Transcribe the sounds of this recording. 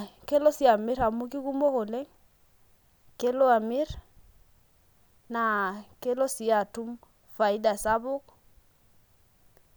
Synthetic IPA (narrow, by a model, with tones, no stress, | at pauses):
ke˦lo˦si˦a˨mɪ˦ɾa˨mu˦ki˦ku˦mo˦ko˨lɛ˦ŋ | ke˦lo˦a˨mi˦ɾ | na˨ke˦lo˦si˨a˨tu˦m | fa˨i˦da˨sa˦bʊ˦k̚